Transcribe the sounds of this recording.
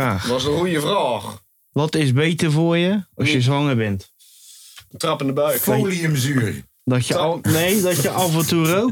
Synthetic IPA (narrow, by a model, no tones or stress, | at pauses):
aːxʋɔsdəujəvraːx | ʋɔtɪsbejtərvʊːrjəɔsjəzʋɔŋərbɛnt | trɑpəndəbœjflijəməzyərj | dɔtjənejdɔtjəʔafɔnturoː